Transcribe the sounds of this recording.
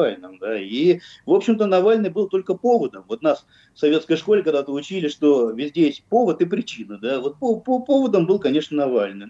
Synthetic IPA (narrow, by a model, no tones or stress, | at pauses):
alʲnɨmd̪aivo̞pɕɪmt̪ənɐvalʲnɨjbɨlˠt̪o̞lʲkəpo̞vəd̪əmvo̞t̪nas | sɐvʲe̞t̪skəjʂko̞lʲɪkɐɡd̪at̪əʊt͡ɕilʲɪʂt̪o̞vʲɪzʲdʲesʲpo̞vət̪ɨpɾʲɪt͡ɕinəd̪avo̞t̪̚popopo̞vəd̪əmbɨlˠkɐnʲe̞ʂnənɐvalʲnɨj